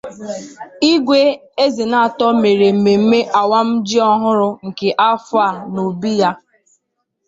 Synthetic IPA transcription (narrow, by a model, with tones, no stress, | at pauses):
i˦ɡʷe˦ | e˦zi˨na˨a˨tɔ˦me˨ɾe˨m̩˨me˨m̩˦me˦ʔa˨wa˦m̩˦d͡ʒi˦ɔ˦ɦʊ˦ɾʊ˦ŋ̩˨ke˨ʔa˦fa˦˨no˨bi˦ja˦